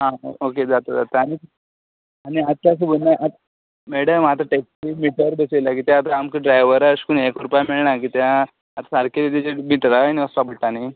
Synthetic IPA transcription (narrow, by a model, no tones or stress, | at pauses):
ɦãoked͡zat̪əd͡za̰t̪əaɽ̃i | aɽ̃iat̪ːjas̬əbolnaʔat̪ | meɭɖəmat̪ɾaʈeksimiʈəɾbəselak̬it̪ãat̪aamkəɖɾajʋəɾaɕkunekɾupjameɭɳakit̪jã | at̪asaɾkelit̪id͡ʑemiʈɾaniəsʋabəɽʈani